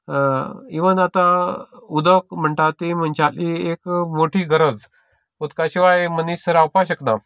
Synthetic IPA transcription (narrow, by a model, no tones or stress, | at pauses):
iʋənat̪aud̪əkm̤əɳʈat̪im̤ənt͡ɕaliekmoʈʰiːɡʱəɾəd͡z | ud̪kaɕiʋajmənisəɾawpaɕ̬əkna